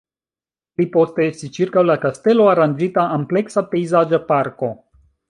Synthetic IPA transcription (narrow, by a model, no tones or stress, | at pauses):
plipo̞steestist͡ʃiɾkawlakaste̞lo̞aɾand͡ʒitaʔample̞ksape̞jzad͡ʒapaɾko̞